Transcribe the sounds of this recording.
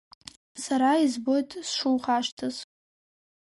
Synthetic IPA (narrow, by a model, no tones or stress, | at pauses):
saɾaizbo̞jtʼsʂuwχaʂtʰɨz